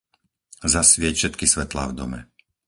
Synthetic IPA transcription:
zasʋɪɛcfʃɛt̪kisʋɛt̪la̰ːvd̪ɔ̰mɛ̰

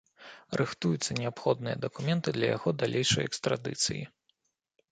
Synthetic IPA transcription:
rʔɨxt̪ujut̪sːɐnʲɛapxɔd̪nɨjɐ̰d̪ɐkumʲɛnt̪ɨd̪lʲɐ̰jaɣɔd̪alʲʔejʂɐ̰jɛkst̪ɾad̪ɨ̰t̪sɨ̰ji

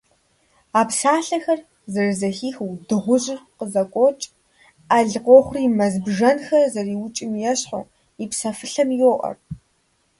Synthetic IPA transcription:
aːpsaːɬɐxɐr | zɐrɨzɐxiːxwdɨʁʷʊʑɪrqəzɐkʷʼɔt͡ʃʼ | aɮqʷɔχʷʊriːmɐzbʒɐnxɐrzɐriːwʊt͡ʃʼɪmjɛɕħo̰ | ipsɐfɨɬɐmiwɔʔʼɐ̰r

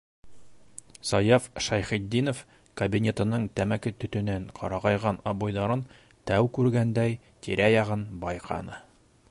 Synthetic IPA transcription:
sɒjɑfʃæjχid̪ːinof | kɐbʲinʲe̞t̪ɤ̆nɤɴt̪æmækɘt̪ɵ̆t̪ɵ̆næɴqʰɒ̰ɾɑʁɑjʁɑnɒbojðɑɾɤn | t̪æwkʉɾɡænd̪æj | t̪iɾʔæjɒʁɤnbɒjqʰɑ̰nɤ

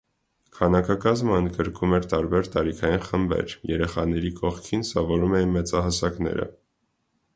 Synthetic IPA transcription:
kʰɑnɑkʰɑkɑzməənd̪ɡəɾkʰumɛɾt̪ɑɾbɛɾt̪ɑɾikʰɑjinχəmbɛ̰ɾjɛɾɛχɑnɛɾikɔχkʰinsɑvɔɾumɛjinmɛt͡sɑɦɑsɑkn̪ɛ̰ɾə̰

